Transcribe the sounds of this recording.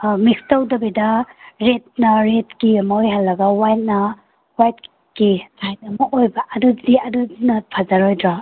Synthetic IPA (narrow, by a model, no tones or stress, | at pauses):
mikstɐwdɐbidɐɾet̚nɐɾetkimajɦalːɐɡɐwajt̚nɐ | wajt̚ | kisajt̚ɐmɐʔojbɐʔɐdudiɐdudinɐpʰazaɾojdɾa